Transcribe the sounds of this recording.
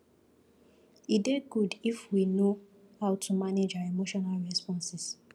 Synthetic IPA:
ideɡudifwino | haʊtʰumaned͡ʒaemoʃɔnalɹɛspɔ̃nsis

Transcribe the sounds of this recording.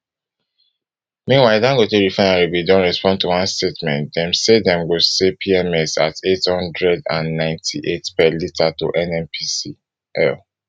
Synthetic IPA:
mĩnwaɪdãŋɡoteɹifaɪnaɹibidõnɹɛspɔ̃ntuwãnstetmɛ̰̃ntdɛ̃msedɛ̃mɡosepʰiɛmɛsa̰tethɔ̃ndɹɛdã̰nːãɪ̃ntʰiʔetpɛlitʰatuʔɛnɛ̃mpʰisi | ʔɛ̰l

